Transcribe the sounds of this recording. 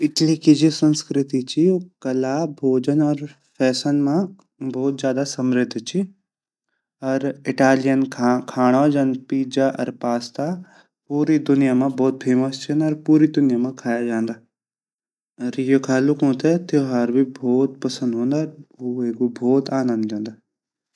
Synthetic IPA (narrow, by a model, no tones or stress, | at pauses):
ɪʈlikid͡ʒisɐ̃nskɾɪt̪it͡ʃʰiokɐlabʱoːd͡ʒənɔɾ | fʰɛːsənmã | bɔːt̪zjaːd̪asɐmɾɪd̪ʱt͡ʃʰi | ɐɾɪʈaːlijənʰkʰaːɽ̃ad͡ʒaːnd̪piːd͡ʒaʔɐ̰ɾpaːst̪a | puːɾid̪ʊnɪjamãbɔːt̪̚fʰeːməst͡ʃʰinɐɾpuːɾid̪ʊnɪjamãkʰaːjad͡ʒaːnd̪aː | ɐɾijokʰaːlukũːt̪et̪ɪjoɦaːɾbʱibʱɔːt̪̚pɐsə̃nd̪ɦõːnd̪aːɾueːɡobʱoːt̪aːnə̃nd̪d͡ʒãːnd̪aː